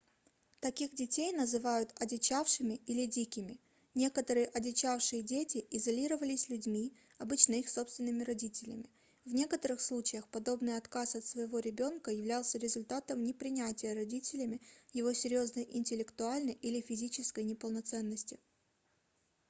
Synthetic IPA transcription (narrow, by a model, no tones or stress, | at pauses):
t̪ɐkʲixdʲɪtʲejnəzɨvajʊt̪ɐdʲɪt͡ɕafʂɨmʲɪilʲɪdʲikʲɪmʲɪ | nʲe̞kət̪əɾɨjəʔɐdʲɪt͡ɕafʂɨjədʲetʲɪʔɪzɐlʲiɾəvəlʲɪsʲlʲʉdʲmʲi | ɐbɨt͡ɕnəixso̞pst̪vʲɪnːɨmʲɪɾɐdʲitʲɪlʲɪ̰mʲɪ | vnʲe̞kət̪əɾɨxslˠut͡ɕɪjəxpɐd̪o̞bnɨjɐt̪kasɐt̪svəjɪvo̞ɾʲɪbʲo̞nkəjɪvlʲalˠsʲəɾʲɪzʊlʲt̪at̪əmnʲɪpɾʲɪnʲætʲɪjəɾɐdʲitʲɪlʲɪmʲɪjɪvo̞sʲɪɾʲjo̞znəjʔɪnʲtʲɪlʲɪkt̪ʊalʲnəjʔilʲɪfʲɪzʲit͡ɕɪskəjnʲɪpəlˠnɐt̪sɛnːəsʲtʲɪ